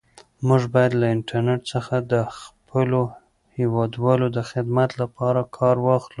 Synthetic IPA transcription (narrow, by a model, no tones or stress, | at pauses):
muʒbɑjad̪laɪɳʈaɾneʈsəxad̪əxpʰəlo | hewɑd̪wɑlod̪əxɪd̪mat̪lapʰɑɾakʰɑɾwɑxlu